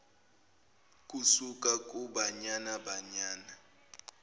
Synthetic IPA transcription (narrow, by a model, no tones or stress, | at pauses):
k̬ʼusuk̬ʼak̬ʼuɓaɲanaɓaɲaːna